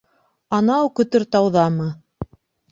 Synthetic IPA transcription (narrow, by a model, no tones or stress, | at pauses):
ɑnɑwkɵ̆t̪ɵɾt̪ɑwðɑmɤ